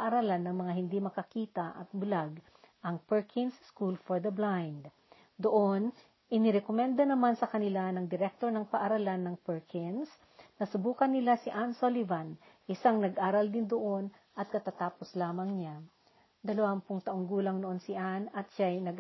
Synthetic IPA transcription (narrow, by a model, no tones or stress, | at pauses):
ʔɐɾalanːɐŋmɐŋaɦɪnd̪imɐkɐkiːt̪ɐʔɐ̰t̪̚bʊlaɡ | ʔɐŋpɛɹkʰɪnsːkulfoɹd̪ɐblajnd̪ | d̪oʔon | ʔɪnɪɾɛkomɛnd̪ɐnɐmansɐkɐnɪlanɐŋd̪ɪɾɛk̚t̪o̞ɾnɐŋpɐʔɐɾalanːɐŋpɛɹkʰɪns | nɐsʊbuːkɐnːɪlasɪʔansolivanʔɪsaŋnɐɡʔaːɾɐld̪ɪnd̪oʔo̞nʔɐt̪̚kɐt̪at̪aːposlaːmɐŋɲa | d̪ɐlɐwampʊŋt̪ɐʔoŋɡuːlɐŋnoʔo̞nsɪʔanɐt̪ʃajnɐɡ